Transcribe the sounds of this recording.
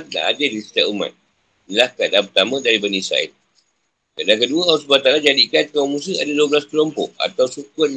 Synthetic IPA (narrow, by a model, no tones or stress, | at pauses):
t̪̚na̰ʔa̰dəlisi̥t̪aʔuma̰t̪̚ | nilahkadapət̪amə̃daɾibənisa̰ɪ̰t | kadaŋkəduaawsbat̪alad͡ʒadikankamus̬əadaduəbəlaskəlɔmpɔʔa̰t̪awsukʊt̪̚